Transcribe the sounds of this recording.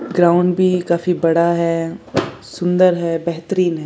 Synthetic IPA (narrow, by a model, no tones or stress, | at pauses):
ɡɾaːʊɳɖbʱiːkaːfiːbəɽaːɦɛː | sʊnd̪əɾɦɛːbɛɦt̪ɾiːnɦɛː